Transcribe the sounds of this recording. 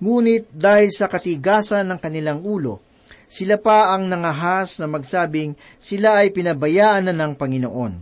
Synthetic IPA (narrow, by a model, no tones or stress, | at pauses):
ŋuːnɪt̪̚d̪aːhɪlsɐkɐt̪ɪɡaːsɐnːɐŋkɐnɪlaŋuːlo̞̰ | sɪlapɐʔɐŋnɐŋɐɦasnɐmɐɡsaːbɪŋ | sɪlaɐjpɪnɐbɐjaːʔɐnɐnɐŋpɐŋɪno̰ʔo̞n